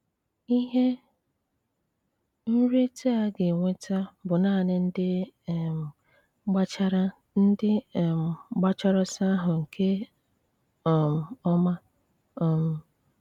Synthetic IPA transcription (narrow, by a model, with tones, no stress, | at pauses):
i˦ɦe˦ | n̩˦ɾe˦ta˦a˨ɡe˨ŋʷe˦ta˦bʊ˨na˦˨nɪ˦n̩˦dɪ˦˨ | ɡ͡ba˦t͡ʃa˦ɾa˦ | n̩˦dɪ˦˨m̩˨˦ɡ͡ba˦t͡ʃɔ˦ɾɔ˦sa˦ɦʊ˨ŋ̩˨kʰe˦˨ | m̩˨ɔ˦ma˦˨ | m̩˨